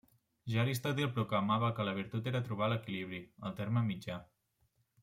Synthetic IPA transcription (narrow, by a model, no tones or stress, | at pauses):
ʒaɾis̬t̪at̪ilˠpɾukləmaβəkələβ̞iɾt̪ut̪eɾət̪ɾuβ̞aləkiliβ̞ɾiəlˠt̪eɾməmid͡ʒa